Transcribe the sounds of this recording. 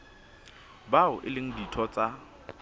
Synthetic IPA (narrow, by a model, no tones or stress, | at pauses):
baʊʔɪlɪŋ̩ditʰɔt͡sʼa